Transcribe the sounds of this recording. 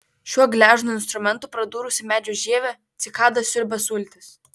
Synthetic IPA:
ʃʲuɔɡlʲæːʒnʊɪnst̪ɾʊmʲɛnˑt̪uːˑpɾɐd̪uːɾʊsʲɪmʲæːd͡ʒʲʊʒʲiɛʋʲɛ | t̪sʲɪkɑːd̪ɐsʲʊɾʲbʲɛsʊlʲˑt̪ʲɪs

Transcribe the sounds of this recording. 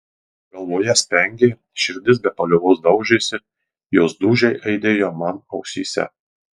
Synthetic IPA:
ɡ̥ɐlˠʋoːjɛsʲp̪ʲɛŋʲɡʲeː | ʃʲɪɾʲd̪ʲɪs̬bʲɛpɐlʲʊʋoːsd̪ɐʊʒʲeːsʲɪ | joːsd̪uːʒʲɛɪʔɐɪd̪ʲeːjoːmɐnɒʊksʲiːsʲɛ̰

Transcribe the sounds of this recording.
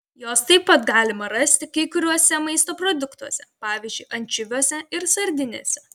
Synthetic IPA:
joːst̪ɐɪppɐt̪ɡɑːlʲɪmɐɾɐsʲt̪ʲɪkɐɪkʊɾʲuɔsʲɛmɐɪst̪oːpɾoːd̪ʊkt̪uɔsʲɛpɑːʋʲiːzʲd͡ʒʲʊɪʔɐnʲt͡ʃʲʊʋʲuɔsʲɛɪɾsɐɾʲd̪ʲɪnʲḛːsʲɛ

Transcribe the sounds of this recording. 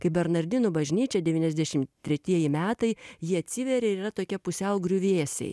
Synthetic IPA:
kɐɪbʲɛɾnɐɾʲd̪ʲɪnʊbɐʒʲnʲiːt͡ʃʲɛd̪ʲɛʋʲiːnɛzʲd̪ʲɛʃʲɪmt̪ʲɾʲɛt̪ʲiɛjɪmʲæːt̪ɐɪjiɐt̪ʲsʲɪʋʲɛɾʲeɪɾiːrɐt̪oːkʲɛpʊsʲɛʊɡɾʲuʋʲeːsʲɛ̰ɪ

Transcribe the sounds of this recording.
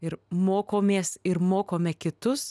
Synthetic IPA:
ɪɾmoːkoːmʲeːsɪɾmoːkoːmʲɛkʲɪt̪ʊs

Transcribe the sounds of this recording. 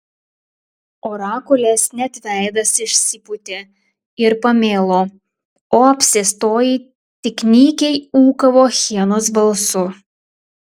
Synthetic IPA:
oːɾɑːkʊlʲesnʲɛt̪ʲʋʲæˑɪd̪ɐsɪʃʲsʲɪpʊt̪ʲe | ɪɾpɐmʲeːlˠoː | oːɐpʲsʲɪst̪oːjiː | t̪ʲɪkʲnʲiːkʲɛɪuːkɐʋoːxʲiɛnosbɐlˠsʊ

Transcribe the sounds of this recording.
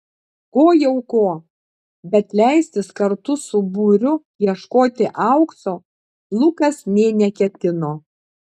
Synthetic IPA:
koːjɛʊkoː | bʲɛt̪lʲæˑɪsʲt̪ʲɪskɐɾt̪ʊsʊbʊɾʲʊ | jiɛʃkoːt̪ʲɪʔɑˑʊksoː | lˠʊkɐsnʲeːnʲɛkʲɛt̪ʲɪnoː

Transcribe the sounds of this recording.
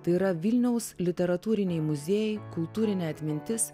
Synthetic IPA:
t̪ɐɪiːɾɐʋʲɪlʲnʲɛʊslʲɪt̪ʲɛɾɐt̪uːɾʲɪnʲɛɪmʊzʲeːjɛɪkʊlˠt̪uːɾʲɪnʲɛːɐt̪ʲmʲɪnʲt̪ʲɪs

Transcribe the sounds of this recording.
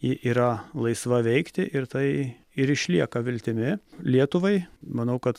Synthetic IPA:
jɪʔiːɾɐlˠɐɪsʋɐʋʲɛɪkt̪ʲɪʔɪɾt̪ɐɪ | ɪɾɪʃʲlʲiɛkɐʋʲɪlʲt̪ʲɪmʲɪlʲiɛt̪ʊʋɐɪmɐnɐʊkɐt̪

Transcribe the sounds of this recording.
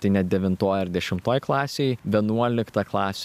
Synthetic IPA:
t̪ɐɪnʲɛt̪̚d̪ʲɛʋʲɪnt̪oːjɐɾd̪ʲɛʃʲɪmt̪oːjklˠɑːsʲeɪʋʲiɛnuɔlʲɪkt̪ɐklˠɑːsʲ

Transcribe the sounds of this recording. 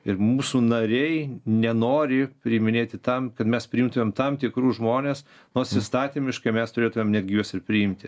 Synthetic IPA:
ɪɾmuːsunɐɾʲɛɪnʲɛnoːɾʲɪpʲɾʲɪmʲɪnʲeːt̪ʲɪt̪ɐmkɐt̪mʲɛspʲɾʲɪɪmt̪ʊmʲeːmt̪ɐmt̪ʲɪkɾuːʒmoːnʲeːs | noːsʲɪst̪ɑːt̪ʲimʲɪʃkɐɪmʲɛst̪ʊɾʲeːt̪ʊmʲeːmnʲæd̪ʲɡʲɪjuɔsɪɾpʲɾʲɪɪmʲt̪ʲɪ

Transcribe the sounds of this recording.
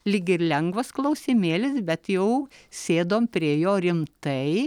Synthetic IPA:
lʲiːɡʲɪɪɾlʲɛŋɡʋɐsklˠɐʊsʲɪmʲeːlʲɪsbʲɛt̪jɛʊsʲeːd̪oːmpʲɾʲiɛjoːɾʲɪmt̪ɐɪ

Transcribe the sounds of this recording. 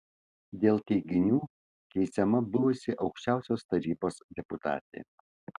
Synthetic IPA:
d̪ʲeːlˠt̪ʲɛɪɡʲɪnʲuː | kʲɛɪsʲɛmɐbʊʋʊsʲɪʔɒʊkʃʲt͡ʃʲæˑʊsʲoːst̪ɐɾʲiːboːsd̪ʲɛpʊt̪ɑ̰ːt̪ʲḛː

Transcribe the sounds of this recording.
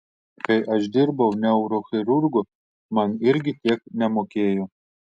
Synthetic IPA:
kɐɪʔɐʃd̪ʲɪɾbɐʊnʲɛʊɾoːxʲɪɾʊɾɡʊ | mɐnɪɾʲɡʲɪt̪ʲiɛknʲɛmoːkʲeːjo

